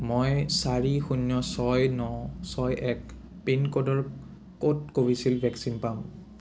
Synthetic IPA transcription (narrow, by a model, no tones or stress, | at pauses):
mojsaɹixunjɔsɔjnɔsɔjɛk | penkodɔɹ | kotkoɹisilbʱɛksinpam